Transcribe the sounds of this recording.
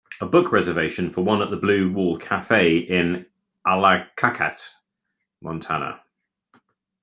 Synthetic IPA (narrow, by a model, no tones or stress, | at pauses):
əbʊkʰɹɛzəveɪʃə̃nfəwʌ̃nəʔðəblʉːwɔːlˠkʰafeɪɪ̃n | ʔalakʰakʰa̰t | mʔɒ̃ntʰanə̰